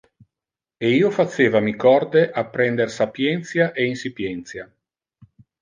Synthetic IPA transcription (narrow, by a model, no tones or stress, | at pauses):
eiːofat͡ʃeːvamikɔrd̪eʔapːɾɛnd̪ersapjɛnt̪sjaʔeinsipjɛnt̪sja